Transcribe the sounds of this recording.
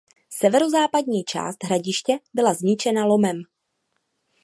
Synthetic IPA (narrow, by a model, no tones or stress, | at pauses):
sɛvɛɾo̞zaːpadɲiːt͡ʃa̰ːst̪ɦɾaɟɪʃcɛbɪlazɲɪt͡ʃɛnalo̞mɛm